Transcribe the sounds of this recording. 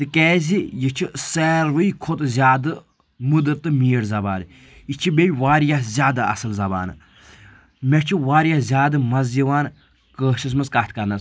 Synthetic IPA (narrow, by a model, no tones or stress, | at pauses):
t̪ɨkɛːzijit͡ʃʰiseːɾʋɨikʰot̪zʲjaːd̪ɨ | mud̪əɾt̪ːɨmiːɽzɐbaːn | it͡ʃʰibʲejʋaːɾjazʲjaːd̪aɐ̰sɨlzɐba̰ːn̰ | mʲet͡ʃʰiʋaːɾjazʲaːd̪ɨmɐzziʋaːn | kəːʃis̬mɨzkat̪ʰkɐɾnɐs